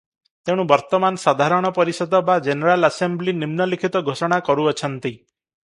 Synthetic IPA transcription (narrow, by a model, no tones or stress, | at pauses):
t̪eɽ̃ũbɔɾt̪ɔmanɔsad̪ʱaɾɔɽ̃ɔpɔɾisɔd̪ɔbad͡ʒeneɾalasemblinimnɔlikʰit̪ɔɡʱosɔɽ̃akɔɾuɔt͡ʃʰɔnt̪i